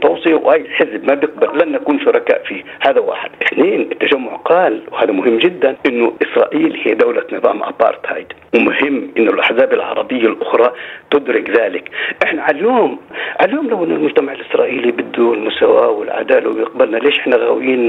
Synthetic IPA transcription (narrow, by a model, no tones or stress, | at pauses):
t̪ˤɑːsˤiwʔaːjːɪlħɪzbmabjɪq̚balːanːʔakuːnʃʊɾˤɑka̰ːʔfiː | haːðawa̰ːħɪ̰d̪̥ʔɪħneːnʔɪt̪ːaʒamːʊʕqaːlwhaːðamʊɦɪmːd͡ʒɪd̪ːanʔɪnːʊʔɪsɾˤɑ̰ːʔiːlhiːd̪awlanɪðɑ̰ːmʔa̰pːɑ̰ːɾˤt̪ha̰jd̪wɪmʊhɪmːʔɪnːʊlʔaħzaːbɪlʕɑ̰ɾˤɑbɪjːalʔʊxɾˤɑt̪ʊd̪ɾɪɡðaːlɪkʔɪħnaʕaljoːmʕaljoːmlawʔɪnːʊlmʊd͡ʒt̪amaʕɪlʔɪsɾˤɑːʔiːlibɪd̪ːuɪlmʊsawa̰ːwɪlʕa̰d̪aːlawɪbjɪqbalnaleːʃʔɪħnaɣawjiːn